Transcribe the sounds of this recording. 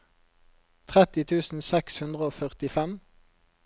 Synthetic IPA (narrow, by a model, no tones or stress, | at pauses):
t̪ʰʁɛt̪ɪt̪ʰʉːsn̩sɛkshʉnd̪ʁəoːfœʁt̪ɪfɛm